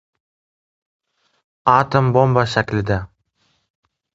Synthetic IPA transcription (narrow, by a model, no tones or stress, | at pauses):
ɑt̪ambombaʃakʲlɪd̪a